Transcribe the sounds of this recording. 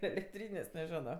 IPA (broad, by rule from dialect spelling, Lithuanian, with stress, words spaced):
ɛlʲɛkˈtʲrʲiːnʲeːsʲ nʲɛˈʒʲæːnoː